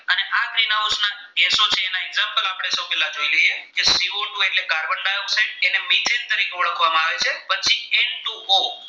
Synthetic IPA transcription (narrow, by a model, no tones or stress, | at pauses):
əneʔakɾinaosna | ɡesot͡ʃʰeːnaɛɡzampəlapəɽ̃esəwpɛlad͡ʒoileɦiekesiʋoɳʈũeʈleɡaɾbəɳɖajoseʈenemit̪ʰent̪əɾikɔɽəkʰʋamãaʋet͡ʃʰepənt͡ʃʰieɳʈuo